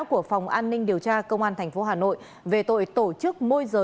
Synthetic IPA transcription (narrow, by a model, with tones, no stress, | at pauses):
wku˧˩əfa˨˩wŋ͡mʔaː˧nːï˧ŋ̟ɗi˨˩əwt͡ɕaː˧kə˧wŋ͡mʔaː˧nt̪ʰɛ˨˩jŋ̟fo˨˦ɦaː˨˩no̰˧˨j | ve˨˩t̪o̰˧˨jt̪o˧˩t͡ɕɨ˦˥k̚mo˧jzəː˨˩